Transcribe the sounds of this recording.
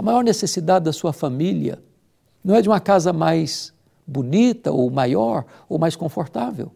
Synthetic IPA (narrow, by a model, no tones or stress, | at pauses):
ɐmajɔɾnesesid̪ad͡ʒɪd̪ɐsuɐfamiliɐ̰ | nɐ̃w̃ɛd͡ʒɪũmɐkazɐmajs | bunit̪ɐ̰owmajɔɾ | owmajskõfoɾt̪avḛw